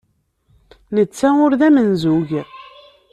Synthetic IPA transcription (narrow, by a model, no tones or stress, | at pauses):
nət͡sːæʊɾðæmənzuʝ